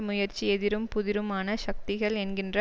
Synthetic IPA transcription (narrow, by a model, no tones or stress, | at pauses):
mʊjɐɾt͡ʃːiɛðɪɾɯmpʊðɪɾɯmaːnɐʃɐk̚t̪ɪɣɐɭɛnɡɪndrɐ